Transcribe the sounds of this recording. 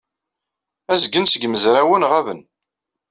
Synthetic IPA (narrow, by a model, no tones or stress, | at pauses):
æzɡənsəɡməzɾæwənʁævən